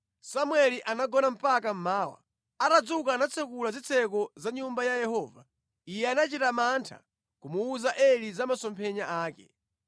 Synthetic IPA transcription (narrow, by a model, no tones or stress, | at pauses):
samwɛliʔanaɡɔnam̩pakam̩maːwa̰ | aɾad͡zukaːnat͡sʰɛkulazit͡sʰɛkɔzaɲumbajajɛhɔːva̰ | ijɛanat͡ʃitamantʰa̰ | kumuuzaʔɛlizamasɔmpʰɛɲaʔaːkɛ̰